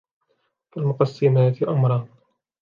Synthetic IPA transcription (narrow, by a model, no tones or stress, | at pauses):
falmʊqɑsːɪmaːt̪ɪʔamɾˤɑːn